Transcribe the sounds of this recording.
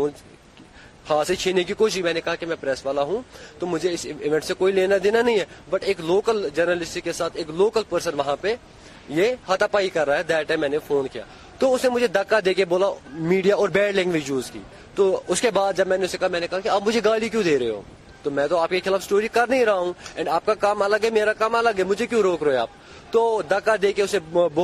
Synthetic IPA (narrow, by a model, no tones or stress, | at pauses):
oːn | haːset͡ʃʰiːnek̬ikoːʃimɛ̃ːnekɐɦakemɛ̃ːpɾɛːsʋaːlaɦũːt̪oːmʊd͡ʒʱeɪsɪʋɛ̃ɳʈsekoːileːnad̪eːnanɐɦĩɦɛbɐʈeːkloːkəld͡ʒəɾnəlɪsʈikːesaːt̪ʰeːkloːkəlpəɾsənʋɐɦãpe | jehɐt̪ʰapaːikɐɾːaːɦɛd̪ɛːʈɛ̃ːmːɛ̃ːnefʰoːnkija̰ː | t̪oːʊsnemʊd͡ʒʱed̪ɐkːad̪eːkeboːlamiːɖijaɔːɾbɛːɖlɪ̃ŋɡʋɪd͡ʒjuːzkḭː | t̪oʊskebaːd̪̚d͡ʒɐbmɛ̃ːneʊsekɐɦamɛ̃ːnekɐɦakiaːbmʊd͡ʒʱeɡaːlik̬jũːd̪eːɾɐɦeɦo̰ː | t̪oːmɛ̃ːt̪oaːp̚kexɪlaːfsʈoːɾikɐɾnəɦĩɾɐɦaɦũɛ̃ːɳɖaːp̚kakaːmələɡɦɛmeːɾakaːmələɡɦɛmʊd͡ʒʱekjũːɾoːkɾoːɛaːp̚ | t̪oːd̪ɐkːad̪eːkeʊseb